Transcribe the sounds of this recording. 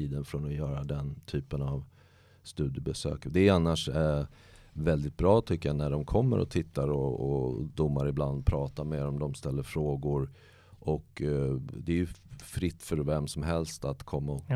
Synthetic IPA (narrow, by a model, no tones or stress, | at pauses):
iːd̪ənfɾɔnɔjœːɾad̪ɛnt̪ʰyːpənav | st̪ʉ̟ːd̪jəbɛsø̰ːkd̪ɛanːaʂɛ | vɛld̪ɪt̪̚bɾɑːt̪ʰʏkːəjanæɖɔmkʰɔmːə̰ɾɔ̰t̪ʰɪt̪ːaɾɔɔ̰d̪ʊmːaɾɪbland̪̚pʰɾɑːt̪aɾmeːɾɔmd̪ɔmst̪ɛlːəɾfɾoːɡʊɾ | ʔɔk | d̪ɛːjɵfɾɪt̪ːfœɾvɛmsɔmɦɛlst̪at̪kʰɔmːa